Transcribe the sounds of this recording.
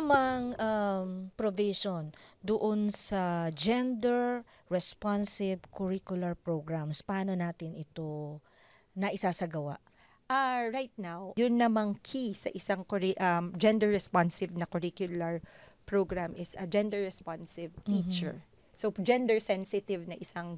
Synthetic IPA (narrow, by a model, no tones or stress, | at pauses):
ɐmaŋʔampɾovɪʃond̪ʊʔonsɐd͡ʒɛnd̪ɛɹ | ɹɛspansɪvkoɹikjʊlɐɹpɹoɡɹamspɐaːnonaːt̪ɪnɪt̪o̞ | nɐʔɪsasɐɡɐwa̰ʔ | ʔaɹajt̪̚nawjʊnːɐmaŋkʰisɐ̰ʔɪsaŋkɔɹiʔamd͡ʒɛ̃nd̪ɛɹɛspansɪvnɐkɔɹikjʊlaɹpɹoɡɹamʔɪsɐd͡ʒɛnd̪ɛɹɹɛspansɪvt̪it͡ʃɛ̰ɹ | sod͡ʒɛ̃nd̪ɛɹsɛnsɪt̪ɪvnɐʔɪsaŋ